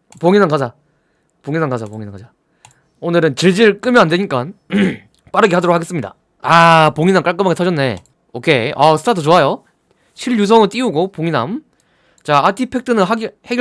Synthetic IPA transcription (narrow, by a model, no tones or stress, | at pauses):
poŋinamkad͡ʑa | poŋinamkad͡ʑapoŋinakad͡ʑa | onɯɾɯnt͡ɕiɭd͡ʑiɾɯɭk͈ɯmjʌandweɲik͈an | p͈aɾɯɡeadoɾokʰaɡe̞s͈ɯmɲida̰ | apoŋinamk͈aɭk͈ɯmɦaɡetʰʌd͡ʑʌnːe̞ | okʰe̞ʌsʰɯ̥tʰatʰut͡ɕoajo | ɕʰiʎjus̬ʰʌŋɯɭt͈iuɡopoŋina̰m | t͡ɕaatʰipʰe̞k̚tʰɯnɯnɦaɡheɡj